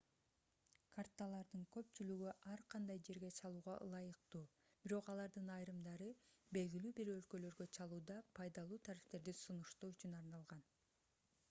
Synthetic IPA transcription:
kʰart̪alˠɑɾd̪ɯŋkø̞p̚t͡ʃylyɡyʔɑɾqʰɑnd̪ɑjd͡ʒe̞ɾɡe̞t͡ʃʰɑlˠuːʁɑ̰ʔɯ̰lˠɑjɯqt̪uː | b̥iɾo̞qɑlˠɑɾd̪ɯnɑjɾɯmd̪ɑɾɯbe̞lɡilyːbiɾø̞lkø̞lø̞ɾɡø̞t͡ʃʰɑlˠuːd̪ɑpʰɑjd̪ɑlˠuːt̪ʰaɾift̪e̞ɾd̪isunuʃt̪uːyt͡ʃynɑɾnɑlˠʁɑn

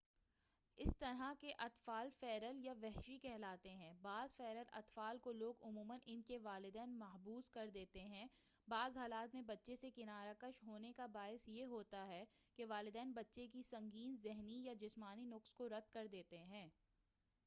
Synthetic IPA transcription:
ɪst̪ɐɾɦakeʔɐt̪faːlfɛːɾəljaʋɛɦʃikɛɦlaːt̪eɦɛ̃ːbaːzfɛːɾəlɐ̰t̪faːlkoloːɡʊmuːmənʔɪnkeʋaːlɪd̪ɛːnmɐɦbuːzkɐɾd̪eːt̪eɦɛ̃ː | baːzɦaːlaːt̪mẽbɐtːʃesekɪnaːɾakəʃɦoːnekabaːɪsjeɦoːt̪aɦɛkeʋaːlɪd̪ɛːnbɐtːʃekisɐ̃ŋɡiːnzɪɦnijad͡ʒɪsmaːninʊkskoɾɐd̪̚ʱkɐɾd̪eːt̪eɦɛ̃ː

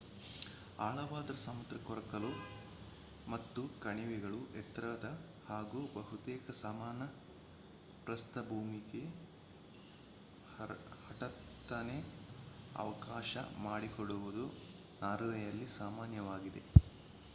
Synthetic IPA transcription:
aːɭɐʋaːd̪ɐɾɐsɐmɐt̪ɾɐkɔɾɐkɐlu | mɐt̪ːukɐɳiʋɛɡɐɭuʔɛt̪ɾɐd̪ɐ | haːɡuːbɐɦut̪ɛːkɐsaːmaːnɐ | pɾɐst̪ɐbʱuːmiɡe̞ | hɐʈɐt̪ː | ɐne | ɐ̰ʋɐkaːʃɐ̰maːɽikoɽuʋud̪u | naːɾuʋɛjɐlːisaːmaːnjɐʋaːɡid̪e̞̰

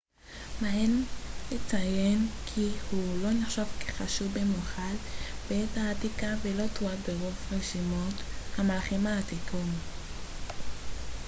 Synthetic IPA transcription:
maenlet͡sajenkʰihulo̞niχʃavkeχaʃuvemuχalbeetaːtikavelo̞t̪oabeʁofʁeʃimo̞t̪hamalaχemaːt̪ikʰom

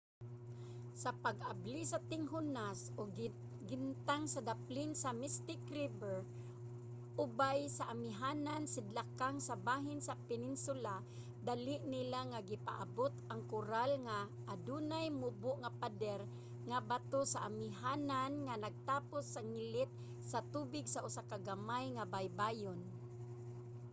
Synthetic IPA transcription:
sapaɡʔablisat̪ɪŋɦʊnasoɡ | ɡɪnt̪aŋsad̪aplɪnsamɪst̪ɪkɾibɛɹ | ʔʊbajsaʔamɪɦaːnansɪd̪lakaŋsabaːɦɪnsapɪnɪnsʊla | d̪alɪʔnɪlaŋaɡɪpa̰ʔa̰bot̪aŋkʊɾalŋa | ʔːd̪unajmʊbʊʔŋapad̪ɛɾ | ŋabat̪osaʔamɪɦaːnanŋanaɡ̚t̪aːpʊsːaŋɪlɪt̪̚ | sat̪uːbɪɡsaʔʊsakaɡamajŋabajbaːjʊn

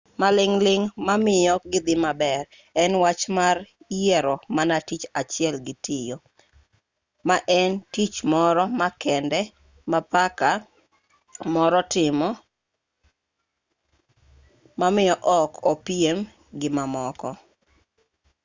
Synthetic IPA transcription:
malɪŋlɪŋmamɪjɔɡɪd̪ɪmabɛr | ɛnwat͡ʃmar | jɛɾɔmanatit͡ʃat͡ʃɪɛlɡɪtɪjɔ | maʔɛntit͡ʃmɔɾɔmakɛndɛ | mapaka | mɔɾɔtɪmɔ | mamɪjɔʔɔkʰɔpiem | ɡɪmamɔkɔ

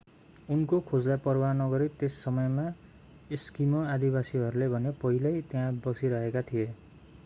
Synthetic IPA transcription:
unkokʰod͡zlapʌrwanʌɡʌɾit̪esːʌmʌjma | eskimʌad̪ibasiɦʌɾulebʱʌnepʌɦilʌjt̪eãbʌsiɾʌɦekat̪ʰije

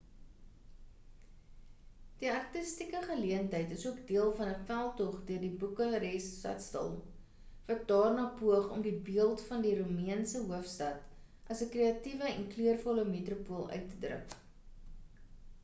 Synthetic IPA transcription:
d̥iɐrtəstikəχəliəntəjtəsuəkdiəlˠfɐnəfælˠtɔχdøərdibukəɾɛstɐ̰tstə̰lˠ | vɐt̚dɑːrnɑːpuəχɔmdibiəlˠtfɐndiɾumiənsəɦuəfstɐt | ʔɐsəkreːɐtivəɛnklyərfɔləmetrupuəlˠœ̰ɥtːədrə̰k

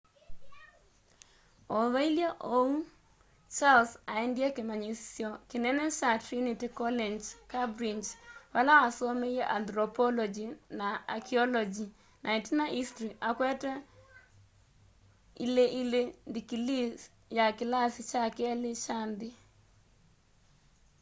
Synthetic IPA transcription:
oðoiljaʔou | t͡ʃalsaindjɛkɪmaɲisjɔkɪnɛnɛt͡ʃatɾinitikɔlend͡ʒkabɾind͡ʒwalawasomejeʔandɾɔpɔlɔd͡ʒinaa̰kʰiɔlɔd͡ʒi | nʔaitinaʔistɾiʔakwɛtɛ | ḭleʔilendikilis | jakɪlasɪt͡ʃakɛlɪt͡ʃandɪ

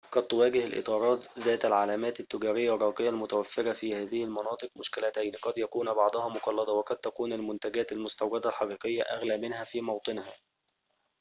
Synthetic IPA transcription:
qɑd̪̚t̪ʊwæːɡɪha̰lʔɪ̰t̪ˤɑːɾˤɑːt̪zæːt̪ælʕalæːmæːt̪ɪt̪ːʊɡɑːɾɪjːarˤːɑːqɪjːalmʊt̪æwæfːɪɾɑfiːhæːðɪhɪlmɑnɑːt̪ˤɨqmʊʃkɪlæt̪æjnqɑd̪jækuːnbɑʕd̪ˤɑhɑmʊqɑlːɑd̪ˤɑwɑqɑd̪̚t̪ækuːnalmʊnt̪æɡæːt̪almʊst̪awɾɑd̪ælħɑqiːqɪjːaʔæ̰ɣlæːmɪnhæfiːmɑwt̪ˤɨnhæː

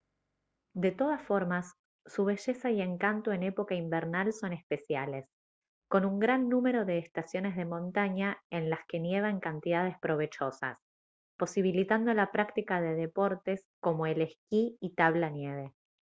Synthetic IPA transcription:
d̪e̞t̪o̞ð̞asfo̞ɾmasː | uβ̞e̞ʒe̞saie̞ŋkant̪oe̞ne̞po̞kaimbeɾnalso̞nespe̞sjale̞s | ko̞nuŋɡɾanːũme̞ɾo̞ðe̞ːst̪asjo̞ne̞zð̞e̞mõ̞nt̪aɲaenlaske̞nje̞β̞aeŋkant̪iðað̞e̞spɾo̞βe̞t͡ʃo̞sa̰s | po̞siβ̞ilit̪and̪o̞lapɾakt̪ikaðe̞ðe̞po̞ɾt̪e̞sko̞mo̞eleskiit̪aβlanje̞β̞e̞

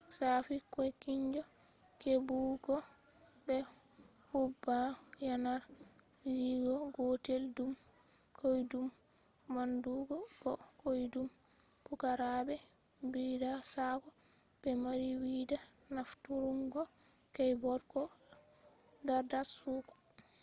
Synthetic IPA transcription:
saːfikɔjkiɲd͡ʒakebuɡɔbɛhubːajanaɾjiwɔɡoteldumkojdumːanduɡɔkɔkojdumpukaɾabɛbidasabɔbɛmaɾiwidanaftuuŋɡɔkajbɔɾkɔ | dadasukɔ̥

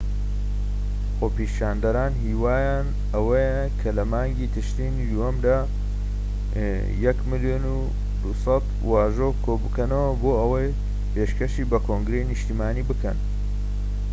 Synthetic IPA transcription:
xoːpiʃaːnd̪ɐɾaːnɦiːwaːjaːn | ɐwɐjɐ | kʰɐlɐmaːŋɡiːt̪ʰɨʃt̪inid̪uhɐmd̪aː | jɐkmɨljoːnu | d̪usɐt̪ | waːʒokʰoːbɨkɐnɐwɐboːɐwɐj | pʰeʃkɐʃiːbɐkʰoŋɡɾeinɨʃt̪imaːniːbɨkɐ̰n

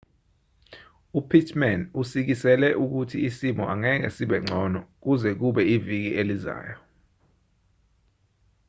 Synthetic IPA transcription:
upʰitʰʼmanusik̬isɛlɛʔuk̬utʰiisimɔʔaŋɛk̬ɛ̰siɓɛŋ͡ǀʱɔnɔk̬uzɛk̬uɓɛivik̬ieliza̰ːjɔ

